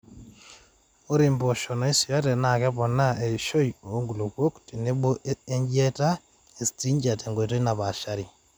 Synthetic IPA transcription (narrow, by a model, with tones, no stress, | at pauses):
o˦ɾi˨mbo˨ʃɔ˨na˨˦i˦si˨ja˦tɛ˨na˨kɛ˦pɔ˨na˦e˨ʃo˦jo˦ŋɡu˨lo˨kwo˦kti˨ne˦ɓo˦ʔe˦ɲd͡ʒɛ˦ta˦ | e˨sti˦ɲd͡ʒa˨te˨ŋɡo˨i˨t̬o˦i˦na˨βa˨ʃa˦ɾi˨